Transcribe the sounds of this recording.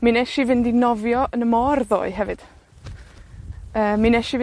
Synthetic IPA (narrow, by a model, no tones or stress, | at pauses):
minɛʃivɪndinɔvjɔʔənəmɔrðo̰ːɨɦɛvɨd̥ | əːminɛʃivɪ